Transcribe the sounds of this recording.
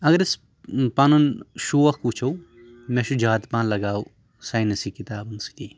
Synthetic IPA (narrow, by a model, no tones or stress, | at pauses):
ɐɡɐɾɪs | panunʃuːɐxkut͡ʃʰow | mẽʃud͡ʒaːt̪pãːnlɐɡaːu | saːjnɐsikit̪aːbʊnski